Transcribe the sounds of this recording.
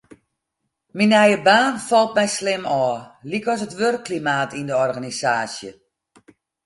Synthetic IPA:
minɛjəbaːnfɔlˠt̚mɛjslɪmɔːlikɔs̬ətʋørkʰːlimaːtʰindəɔrɣanisaːsjə

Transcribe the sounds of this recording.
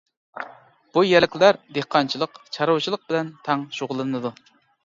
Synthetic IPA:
b̥ujɛɾlɪkʲlæɾd̪ehqʰɑnt͡ʃʰilˠəqt͡ʃʰɑɾowt͡ʃʰilˠəq̚bɪlɛnt̪ʰɑŋʃoʁʊlˠɨnɨd̪u

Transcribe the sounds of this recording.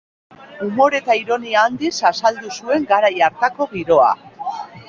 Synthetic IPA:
umo̞ɾe̞t̪aiɾo̞niaːnd̪isasald̪usue̞ŋɡaɾajaɾt̪ako̞ɣiɾo̞a̰

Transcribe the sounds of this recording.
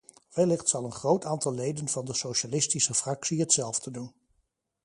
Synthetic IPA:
ʋɛlɪχtsɑlˠənχrowtaːntɑlˠlejdənvɑndəsowʃalɪstisəfrɑksiɦətsɛlˠvdədun

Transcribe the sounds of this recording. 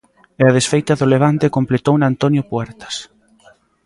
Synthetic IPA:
eaðesfejt̪ɐðʊleβ̞ant̪ekomplet̪ownant̪onjʊpwɛɾt̪ɐ̥s

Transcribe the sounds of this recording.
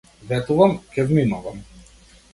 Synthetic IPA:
vɛt̪uvamcʲɛvminuvam

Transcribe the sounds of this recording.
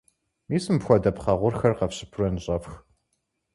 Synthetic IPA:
miːsɨmpxʷɔdɐpχɐʁʷʊrxɐrqɐpɕɪ̥pʰʊrɐnɨɕʼɐfx

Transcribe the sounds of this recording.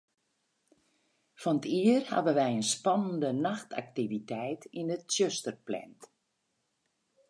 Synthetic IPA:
fɔnətiərha̰bənʋɛjənspɔnəndənaxtʰa̰k̚tivitɛjtinətsjøstərplɛ̰nt

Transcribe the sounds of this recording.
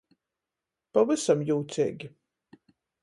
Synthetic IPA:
pavɨsamjuːt̪sʲɛ̰ːɡʲi

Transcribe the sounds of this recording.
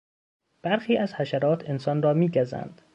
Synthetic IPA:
b̥æɾxiːæzhæʃæɾɒːt̪ʰe̞nsɒːnrɒːmiːɟæzæ̰nd̪̥

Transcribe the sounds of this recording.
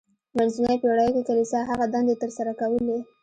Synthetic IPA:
manzunajpeɽajokekalisɑɦaɣad̪ɑnd̪et̪əɾsaɾakawəle

